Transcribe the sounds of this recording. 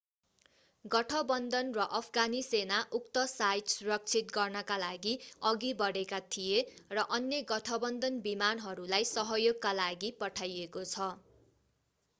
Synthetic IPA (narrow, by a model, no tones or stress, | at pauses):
ɡʌʈʰʌbʌnd̪ʌnrʌʔʌpʰɡanisenaʔuk̚t̪ʌsajʈsuɾʌk̚t͡sʰit̪̚ɡʌrnʌkalaɡiʌɡibʌɽekat̪ʰijerʌʔʌnjeɡʌʈʰʌbʌnd̪ʱʌnbimanɦʌɾulajsʌɦʌjoɡkːalaɡipʌʈʰajekot͡sʰʌ